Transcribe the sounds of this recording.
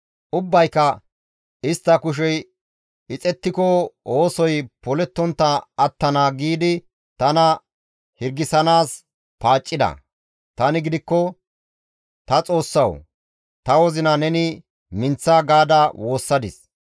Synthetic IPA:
ʔʊbːɐjkːɐ | ɪst̪ːɐkʊʃ̬ɛj | ɪt͡sʼɛt̪ːɪkɔo̞ːsɔjpɔlɛt̪ːɔnt̪ːɐɐt̪ːɐnaːɡiːd̪ɪ | t̪ɐnɐ | hɪɾɡːɪsɐnaːs | paːt͡ʃʼːɪd̪ɐ̰ | t̪ɐnɪɡɪd̪ɪkːɔ | t̪ɐt͡sʼo̞ːsːɐw | t̪ɐwɔzɪnɐnɛnɪ | mɪnt͡sːaːɡaːd̪ɐwʔo̞ːsːɐd̪ɪs

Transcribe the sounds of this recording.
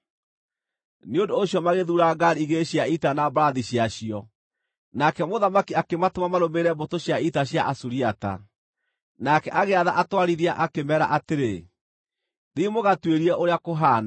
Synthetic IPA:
neondoːɕjɔmaɣeðuɾaɡaɾiɣeɕjaitanabaɾaðiɕjaɕiɔ | nakɛmoðamakiakematomamaɾomeɾɛbotoɕjaitaɕja̰ʔasuɾiata̰ | nakɛʔaɣeaðaʔatwaɾiðiaʔakemɛɾa̰ʔateɾe | ðimoɣatweɾiɛʔoɾeakoɦaːna

